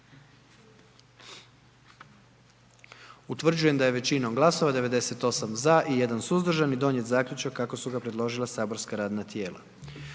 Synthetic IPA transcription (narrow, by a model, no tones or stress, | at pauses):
ut̪ʋr̩d͡ʑuje̞md̪aje̞ʋe̞t͡ɕinomɡlˠaso̞ʋad̪e̞ʋe̞d̪e̞se̞t̪o̞samzaʔije̞d̪ansuzd̪r̩ʒanid̪o̞nje̞t̪zaːkʎut͡ʃakːako̞suɡapɾe̞d̪lˠo̞ʒilˠasaːbo̞ɾskaɾaːd̪nat̪je̞ːlˠa̰